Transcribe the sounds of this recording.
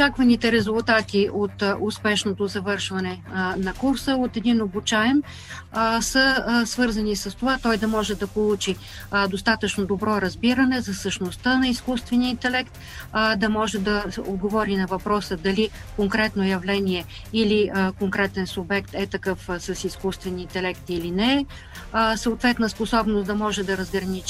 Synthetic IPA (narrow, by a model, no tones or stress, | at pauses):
ot͡ʃakvɐnit̪ɛɾɛzulˠt̪at̪iʔot̪ʊspɛʃnot̪ozɐvɤɾʃvɐnɛnɐkuɾsəot̪ɛd̪inobut͡ʃaɛm | səsvɤɾzɐnisəst̪ovat̪ɔjd̪ɐmɔʒɛd̪ɐpolˠut͡ʃi | d̪ost̪at̪ət͡ʃnod̪obɾɔɾɐzbiɾənɛzɐsəʃnost̪ənɐiskust̪vɛniəint̪ɛlɛkt̪ | d̪ɐmɔʒɛd̪ɐod̪ɡovɔɾinɐvɐpɾɔsəd̪ɐli | koŋkɾɛt̪nojɐvlɛniɛ | iliəkoŋkɾɛt̪ɛnsubɛkt̪ɛt̪ɐkɤfsɐsiskust̪vɛnʲiint̪ɛlɛkt̪ilinɛ | səot̪vɛt̪nəsposɔbnosd̪ɐmɔʒɛd̪ɐɾəzɡɾɐnit͡ʃ